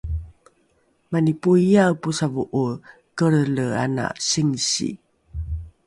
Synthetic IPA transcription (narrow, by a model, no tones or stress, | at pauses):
manipuijawpusavuʔu | kəɾləa̰na̰siŋsḭ